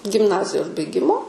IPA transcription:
ɡʲɪmˈnɑːzʲɪjoːs bɐɪˈɡʲɪmoː

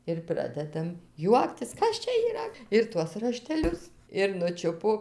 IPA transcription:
ɪr ˈprɑːdʲɛdɐm ˈjuɔktʲɪs ˈkɐs t͡ʃʲɛ iːˈrɐ ɪr ˈtuɔs rɐʃʲtʲɛˈlʲʊs ɪr nʊˈt͡ʃʲʊpoː

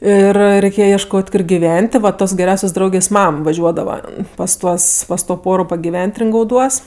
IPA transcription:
ˈɪr rʲɛɪˈkʲeːjɛ iɛʃˈkoːtʲ ˈkoːr ɡʲɪˈʋʲɛnʲtʲ tʲɪ ʋɐ ˈtoːs ɡʲɛˈrʲɛʊsʲoːs ˈdrɐʊɡʲeːs ˈmɐm ʋɐˈʒʲuɔdɐʋɐ pɐs ˈtuɔs pɐs toː ˈpoːroː pɐɡʲɪˈʋʲɛnʲtʲ rʲɪŋɡɐʊˈduɔs

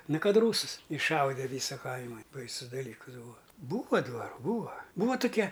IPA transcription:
ˈnʊ ˈkɐt ˈruːsɨs ɪʃˈʃɐʊdʲɛ ˈʋʲiːsɐ ˈkɐɪmɐ ˈbɐɪsʊs dɐˈlʲiːkɨs ˈbuːɐ ˈbuːʋɐ dʋɐˈruː ˈbuːɐ ˈbuːʋɐ tʊˈkʲɛ

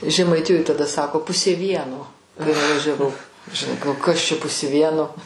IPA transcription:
ʒʲɛmɐɪˈtʲɪjoːj tɐˈdɐ ˈsɑːkoː ˈpʊsʲeː ˈʋʲiɛnoː kɐɪ nʊʋɐʒʲɛˈʋɐʊ ʒʲɪˈnɐɪ ɡɐlˠ ˈkɐs t͡ʃʲɛ ˈpʊsʲeː ˈʋʲiɛnoː

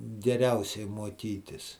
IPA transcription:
ɡʲɛˈrʲɛʊsʲɛɪ muɔˈkʲiːtʲɪs

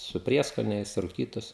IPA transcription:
sʊ ˈpʲrʲiɛskoːnʲɛɪs rʊˈkʲiːtʊs

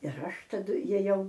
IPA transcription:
ɪr ˈɐʃ tɐˈdʊ jeːˈjɛʊ

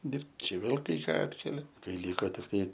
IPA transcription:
ˈdʲɪrpt ˈt͡ʃʲɛ ˈʋʲeːlˠ kɐɪ ˈkɑː ˈɑːtʲkʲɛlʲɛ kɐɪ ˈlʲiːkoː tʲɪkˈtɐɪ

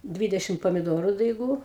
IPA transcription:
ˈdʲʋʲiːdʲɛʃʲɪm pɐmʲɪˈdoːrʊ dɐɪˈɡuː

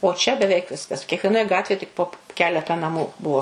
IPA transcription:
oː t͡ʃʲɛ bʲɛˈʋʲɛɪk ˈʋʲɪskɐs kʲiɛkʋʲiɛˈnoːj ˈɡɑːtʲʋʲeːj tʲɪk poː ˈkʲæːlʲɛtɐ nɐˈmuː ˈbuɔ

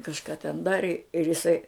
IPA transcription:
kɐʃˈkɐ tʲɛn ˈdɑːrʲɪ ɪr ɪˈsɐɪ

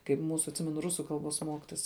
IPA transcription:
kɐɪp ˈmuːsʊ ɐtʲˈsʲɪmʲɛnʊ ˈrʊsʊ ˈkɐlˠˌboːs ˈmoːkʲɪtoːs

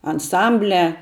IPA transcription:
ɐnˈsɐmʲbʲlʲæː

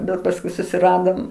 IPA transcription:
bʲɛt pɐsˈkʊɪ sʊsʲɪˈrɑːdoːm

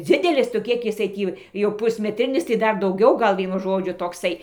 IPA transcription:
ˈd͡zʲɪdʲɛlʲɪs tʊ ˈkʲiɛk jɪˈsɐɪ ˈtʲiː jɛʊ pʊsʲmʲɛˈtʲrʲɪnʲɪs tɐɪ ˈdɐr dɐʊˈɡʲɛʊ ˈɡɐlˠ ˈʋʲiɛnʊ ʒoːˈd͡ʒʲʊ toːkˈsɐɪ

